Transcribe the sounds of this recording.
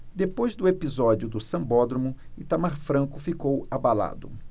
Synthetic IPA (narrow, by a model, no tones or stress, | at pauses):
d̪epojzd̪ʊepizɔd͡ʒʊd̪ʊsɐ̃bɔd̪ɾomʊɪt̪amaɾfɾɐ̃kʊfikowabala̰d̪ʊ